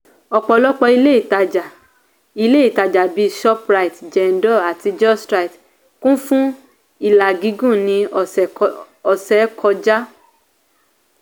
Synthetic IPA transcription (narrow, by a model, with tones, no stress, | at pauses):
ɔ˨k͡pɔ˧lɔ˦k͡pɔ˧i˧le˦i˦˨ta˨d͡ʒa˨ | i˧le˦i˨ta˨d͡ʒa˨bi˨˧ʃɔ˦pɾa˧i˨td͡ʒɛ˨n̩˦dɔ˦˨a˨ti˧d͡ʒɔ˦˨stɾa˧i˨t | kũ˦fũ˦ | i˦˨la˨ɡi˨˧˦ɡũ˦˨nĩ˧˨ | ɔ˨sɛ˨˦kʰɔ˧d͡ʒa˦